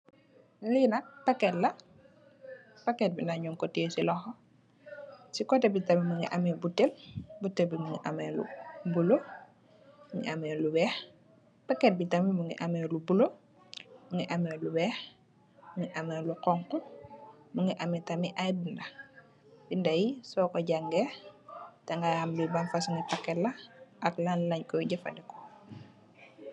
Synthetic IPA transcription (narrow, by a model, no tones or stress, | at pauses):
linak̚pakːɛtlɐ | pakɛt̚binaɲɔŋkɔtisilɔxɔ | sikɔtɛbitamimuŋḭʔamɛbutːelbutːɛlbimuŋḭʔamɛlṵbulo | muŋḭʔamɛluwɛːx | pakɛt̚bitamimuŋḭʔamɛlubulo | muŋɡiʔamɛluwɛːx | muŋiʔamɛːluqɔŋkɔ | muŋɡiʔamitamiʔajbinda | bindajisɔːkɔɟaŋɡɛ | taŋɡahambibanfasuŋipakːɛlːaʔaklanlaɲkɔɟəfa̰dɛkɔ̥